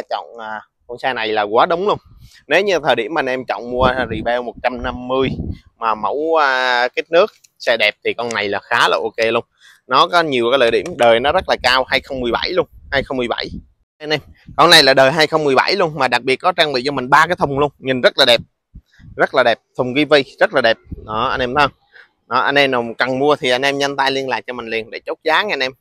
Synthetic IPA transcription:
t͡ɕɔ̰˧˨ŋ͡maː˨˩ | kɔ˧nsɛː˧na˨˩jlaː˨˩kwaː˨˦ɗə˨˦wŋ͡mlu˧ən | ne˨˦wɲɨ˧t̪ʰəː˨˩jɗḭ˧˩əmaː˨˩nʔɛ˧mt͡ɕɔ̰˧˨wŋ͡mmu˧ə˧zḭ˨˩ɓɛ˧wmo˨˩t̚t͡ɕa˧mna˧mːɨ˧əj | maː˨˩mə̰˧˥waː˧ka˦˥t̚nɨ˦˥ək̚ | sɛ˧ɗɛ˨˩p̚t̪ʰi˨˩kɔ˧na˨˩jlaː˨˩xaː˨˦la̰ː˨˩ʔo˧ke˧lu˧ən | nɔ˨˦kɔ˨˦ɲi˨˩əkaː˨˦jlə̰˧˨˩ɗḭ˧˩əmɗəː˨˩jnɔ˨˦zə˦˥t̚laː˨˩kaː˧whaː˧jxə˧wŋ͡mmɨ˨˩əjɓa̰˧˩jlu˧ənhaː˧jxə˧wŋ͡mmɨ˨˩əjɓa̰˧˩j | ʔa˧nʔɛ˧m | kɔ˧nːa˨˩jlaː˨˩ɗəː˨˩jɦaː˧jxə˧wŋ͡mmɨ˨˩əjɓa̰˧˩jlu˧ənmaː˨˩ɗa˨˩k̚ɓi˨˩ət̚kɔ˨˦t͡ɕaː˧ŋɓḭ˧˨t͡ɕɔ˧mï˨˩ŋ̟ɓaː˧kaː˨˦jt̪ʰə˨˩wŋ͡mlu˧ənɲi˨˩nzə˦˥t̚laː˨˩ɗɛ˨˩p̚ | zə˦˥t̚laː˨˩ɗɛ˨˩p̚t̪ʰʊ˨˩ŋ͡mɣi˧və˧jzə˦˥t̚laː˨˩ɛ˨˩p̚ɗɔ˨˦ʔa˧nʔɛ˧mt̪ʰː | ɗɔ˨˦ʔa˧nʔɛ˧mna˨˩wkə˨˩nmu˧ət̪ʰi˨˩ʔa˧nʔɛ˧mɲa˧nt̪aː˧jli˧ənla̰ː˨˩k̚t͡ɕɔ˧mï˨˩ŋ̟li˨˩ənɗḛ˧˩t͡ɕo˦˥t̚zaː˨˦ŋɛ˧nʔɛ˧m

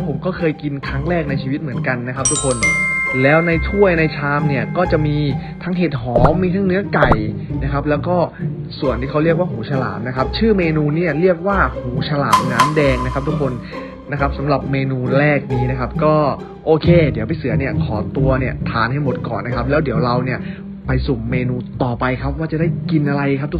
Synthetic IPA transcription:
pʰo˩˦mkɔː˥˩kʰɤː˧jki˧nkʰɾa˦˥ŋɾɛː˥˩k̚na˧jt͡ɕʰiː˧wi˦˥t̪̚mɯ˩˦ənka˧nːa˦˥kʰa˦˥p̚t̪u˥kʰːo˧nlɛː˦˥wna˧jt͡ɕʰu˥˩əjna˧jt͡ɕʰaː˧mni˥˩ɐkɔː˥˩t͡ɕa˨˩miː˧t̪ʰa˦˥ŋɦe˨˩t̪̚ɦɔː˩˦ŋːiː˧t̪ʰaː˧˥ŋnɯ˦˥ɐka˨˩jna˦˥kʰa˦˥p̬̚lɛː˦˥wkɔː˥˩ | su˨˩ənt̪iː˥˩ka˦˥wɾi˥˩ək̚waː˥˩ɦuː˩˦t͡ɕʰa˧la̰ː˩˦m̚na˦˥kʰa˦˥p̚t͡ɕʰɯː˥˩meː˧nuː˧niː˦˥˩ɐɾi˥˩ək̚waː˥˩huː˩˦t͡ɕʰa˧la̰ː˩˦m̚naː˦˥mdɛː˧ŋna˦˥kʰa˦˥p̚t̪ʰu˦˥kʰːo˧nː | a˦˥kʰa˦˥p̚sa˩˦mɾa˨˩p̚meː˧nuː˧ɾɛː˥˩k̚niː˦˥na˦˥kʰa˦˥p̚kɔː˥˩ | ʔoː˧kʰeː˧di˨˩˦əwpa˧jsɯ˨˩˦ɐni˥˩ɐkʰɔː˩˦t̪u˧ɐni˥˩ɐt̪ʰaː˨˩˦nɦa˥˩jmo˨˩t̪̚kɔ̰ː˨˩nːa˦˥kʰa˦˥p̚lɛː˦˥wdi˨˩˦əwɾa˧wni˥˩ɐ | pa˧jso˨˩mːeː˧nuː˧t̪ɔː˨˩pa˧jkʰa˦˥p̚waː˥˩t͡ɕa˨˩daː˥˩jki˧nʔa˧ɾa˧jkʰa˦˥p̚t̪ʰ

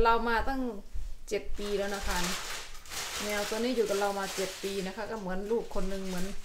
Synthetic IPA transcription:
la˧wmaː˧t̪a˥˩ŋt͡ɕe˨˩t̪̚piː˧lɛː˧wna˧˥˩kʰa˧˥˩ | nɛː˧wso˧nːiː˥˨juː˨˩ka˨˩la˧wmaː˧t͡ɕe˨˩t̪̚piː˧na˦˧˥kʰa˧˥˩kaː˧˥˩mɯ˩˦ənluː˥˩kʰːo˧nːɯ˧ŋmɯ˩˦ən

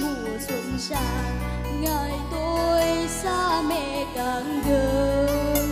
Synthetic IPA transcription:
mu˧˩ | sə˧˨˦nt͡ɕaː˧˨n | ŋə˧˨˩jt̪o˧jsa˧mɛ˧˩ka˨˩ŋɡə˨˦

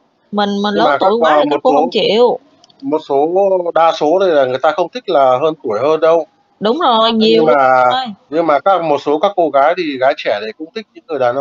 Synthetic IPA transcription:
mï˨˩ŋ̟mï˨˩lə˦maː˥˨˩t̪a˦˧˩waː˨˩m˨˩tːŋ͡mt͡ɕi˧˩w | mo˨˩t̚so˨˦ɗaː˧so˨˦ɗə˧jlaː˨˩ŋɨ˨˩əjt̪aː˧xə˧wŋ͡mt̪ʰï˦˥k̟̚laː˨˩ɦəː˧nt̪u˧˩əjɦəː˧nɗə˧w | ɗʊ˨˦wŋ͡mzo˨˩jɲi˨˧˩əwwm˦aː˨˩˧jɲɨ˧ŋmaː˨˩kaː˦˥k̚mo˨˩t̚so˨˦kaː˦˥kːo˧ɣaː˨˦jɗ̪i˧˨˩ɣaː˨˦jt͡ɕɛ˧˩ɗe˧˩kʊ̰˧˥ŋ͡mt̪ʰï˦˥k̚ɲɨ̰˧˥ŋːkːɨ˨˩əjɗaː˨˩nʔə˧ŋ͡m

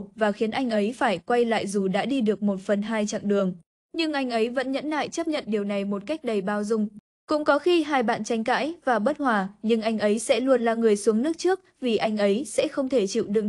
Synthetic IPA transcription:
vaː˨˩xi˨˦ənʔa˧jŋ̟ʔə˨˦jfaː˧˩jkwa˧jla̰ː˧˨jzu˨˩ɗa̰ː˧˥ɗi˧ɗɨ˨˩ək̚mo˨˩t̚fə˨˩nɦaː˧jt͡ɕa̰˧˨ŋɗɨ˨˩əŋ | ɲɨ˧ŋʔa˧jŋ̟ʔə˨˦jvə̰˧˥nɲə̰˧˥nla̰ː˧˨jt͡ɕə˦˥p̚ɲə̰˧˨nɗi˨˩əwna˨˩jmo˨˩t̚ka˦˥jk̟̚ɗə˨˩jɓaː˧wzʊ˧ŋ͡m | kʊ̰˧˥ŋ͡mkɔ˨˦xi˧ɦaː˧jɓa̰ː˧˨nt͡ɕa˨˦ŋ̟ka̰ː˧˥jvaː˨˩ɓə˦˥t̚hwaː˨˩ɲɨ˧ŋʔa˧jŋ̟ʔə˨˦jsɛ̰˧˥lu˧ənlaː˨˩ŋɨ˨˩əjsu˨˦əŋnɨ˦˥ək̚t͡ɕɨ˦˥ək̚vi˨˩ʔa˧jŋ̟ʔə˨˦jsɛ̰˧˥xə˧wŋ͡mt̪ʰe˧˩t͡ɕḭ˧˨wɗɨ̰˧˨ŋ

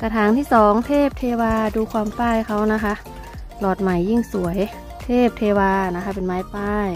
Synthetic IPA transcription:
ka˧˩t̪ʰaː˧˦ŋt̪ʰiː˥˩sɔː˨˩˦ŋt̪ʰeː˥˩p̚t̪ʰeː˧waː˧duː˧kʰwaː˧mpaː˧˥˩jkʰa˦˥wna˦˥kʰa˦˥ʔ | plɔː˨˩t̪̚ma˨˩jːi˧˥˩ŋsu˨˩˦əj | t̪ʰeː˥˩p̚t̪ʰeː˧waː˧na˧˦˥kʰa˦˥pe˨nmaː˦˥jpaː˥˩j

